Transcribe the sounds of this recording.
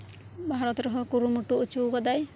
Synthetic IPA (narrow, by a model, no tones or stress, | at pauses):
bʱaɾɔt̪ɾɔɦɔkuɾumuʈuut͡ʃuɡɔd̪aj